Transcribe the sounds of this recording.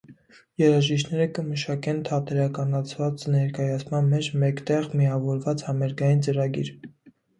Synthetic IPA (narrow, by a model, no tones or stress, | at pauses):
jɛɾɑʒiʃt̪nɛɾəkəməʃɑkɛnt̪ʰɑt̪ɛɾɑkɑnɑt͡sʰvɑt͡snɛɾkɑjɑt͡sʰmɑnmɛt͡ʃʰmɛkt̪ɛʁmiɑvɔɾvɑt͡shɑmɛɾɡɑjint͡səɾɑɡiɾ